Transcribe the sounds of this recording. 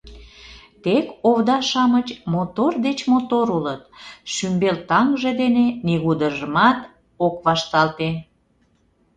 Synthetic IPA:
t̪ekoβd̪ɑʃɑmət͡ɕmot̪ord̪et͡ɕmot̪oɾulət̪̚ʃymbelt̪ɑŋʒed̪eneniɣud̪əʒəmɑt̪ | okβɑʃt̪ɑlt̪e

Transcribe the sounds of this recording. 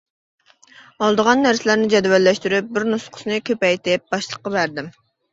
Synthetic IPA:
ɑlˠd̪əʁɑnːæɾsɪlæɾnɪd͡ʒɛd̪wɛlːɛʃt̪yɾyp̚bɪɾnusqʰʊ̥snɨkʲʰøpɛjt̪ɪp̚bɑʃlˠəqːɑbæɾd̪ɪm

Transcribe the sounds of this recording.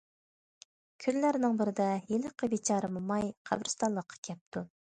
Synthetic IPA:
kʲʰyllæɾnɪŋbɪɾɪd̪ɛjeləqʰəbit͡ʃʰɑːɾɨmumɑjqʰɑ̰bɾɨst̪ɑnlˠəqʰːɑ̥kʲʰɛp̚t̪ʰu

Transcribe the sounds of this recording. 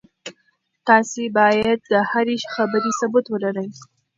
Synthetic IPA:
t̪ɑsebɑjad̪̚ːəhaɾiʃxabəɾisabʊt̪wəlaɾəj

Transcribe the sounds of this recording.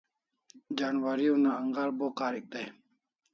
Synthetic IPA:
d͡ʒaːnwaɾijõːnaːŋɡaːlboːkaːɾik̚d̪aj

